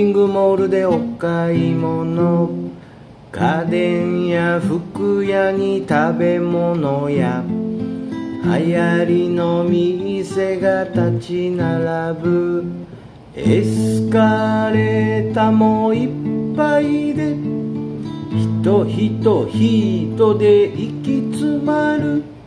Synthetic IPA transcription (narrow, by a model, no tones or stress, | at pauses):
iŋɡɯmo̞ːɾɯ̟d̪e̞okːaimo̞no̞ | kad̪ẽɰ̃jaɸɯ̟kɯ̟jaɲ̟it̪abe̞mo̞no̞ja | ha̰jaɾʲino̞mʲiɲise̞ɡat̪at͡ɕinaɾabɯ̟ | esɨ̥kaɾe̞t̪amo̞ippːaid̪e̞ | çi̥t̪oçit̪o̞çiːt̪o̞d̪e̞ʔikʲit͡sɨmaɾɯ̟